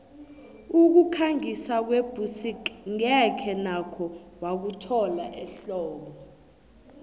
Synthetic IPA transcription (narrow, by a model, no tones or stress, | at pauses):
uk̬ukʰaŋisak̬web̥ʱusikŋɛkʰɛnakʰɔwak̬utʰɔlaʔɛɬɔːɓɔ